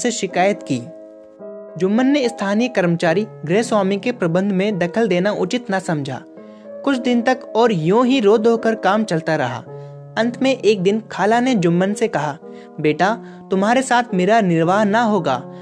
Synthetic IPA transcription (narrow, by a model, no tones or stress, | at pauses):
seʃɪkaːjət̪kiː | d͡ʒʊmːənːeɪst̪ʰaːnijəkɐɾmət͡ʃaːɾiɡɾeɦswaːmikepɾɐbə̃nd̪ʱmẽd̪ɐkʰəld̪eːnaʔʊt͡ʃɪt̪nɐsɐ̃md͡ʒʱa̰ː | kʊt͡ʃʰd̪ɪnt̪ɐkɔːɾjõːɦiɾoːd̪oːkəɾkaːmt͡ʃɐlt̪aɾɐɦa̰ː | ɐ̃nt̪ʰmẽʔeːk̚d̪ɪnkʰaːlaned͡ʒʊmːənsekɐɦa | beːʈa | t̪ʊmɦaːɾesaːt̪ʰmeːɾanɪɾʋaːɦnɐɦoːɡa̰ː